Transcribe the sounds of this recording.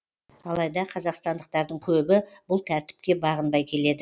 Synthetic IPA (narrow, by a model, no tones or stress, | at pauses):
ɑlˠɑjd̪ɑqʰɑzɑqst̪ɑnd̪əq̚t̪ɑɾd̪əɴkʲʰɵbɪbʊlˠt̪ʰæɾt̪ɪ̥p̚kʲe̞bɑʁənbɑjkʲʰe̞le̞d̪ɪ